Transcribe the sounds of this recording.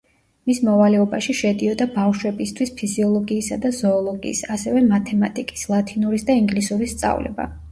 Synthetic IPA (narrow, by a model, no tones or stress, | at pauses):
mismɔvalɛɔbaʃiʃɛd̪iɔd̪abafʃwɛbist̪ʰwispʰiziɔlˠɔɡiːsad̪azɔːlˠɔɡḭːsasɛvɛmat̪ʰɛmat̪ʼikʼi̥slˠat̪ʰinuɾisd̪aiŋɡlisuɾist̪sʼa̰vlɛ̰ba̰